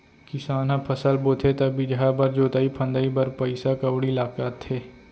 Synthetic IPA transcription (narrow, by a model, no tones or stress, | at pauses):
kɪsaːnãpʰɐsəlboːt̪ʰet̪ɐbɪd͡ʒɦabɐɾd͡ʒoːt̪aːipʰɐ̃nd̪aibɐɾpɐɪsakəwɽilaːkaːt̪ʰːeː